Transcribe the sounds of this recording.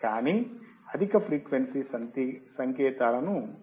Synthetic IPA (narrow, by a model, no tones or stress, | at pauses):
kaːni | ɐd̪ʱikɐpʰɾiːkʋensisɐnt̪isɐŋkɛːt̪aːlɐnu